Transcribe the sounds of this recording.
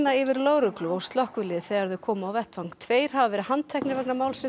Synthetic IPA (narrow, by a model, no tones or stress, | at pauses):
naɪvɪɾloːwɾʏklʏɔwst̪lɔhkvʏlɪðθɛːɣaɾðʏkʰɔːmaːwvɛht̪fawŋ̥t̪ʰveːjɾ̥havavɛɾɪhanːt̪ʰɛhknɪɾvɛknamaːwlsɪn